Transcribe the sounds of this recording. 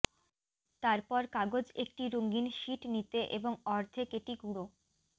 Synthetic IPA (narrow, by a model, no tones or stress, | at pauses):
t̪aɾpɔɾkaɡod͡ʑek̚ʈiɾoŋɡinʃiʈnit̪eʔeboŋɔɾd̪ʱʰekeʈiɡuɽo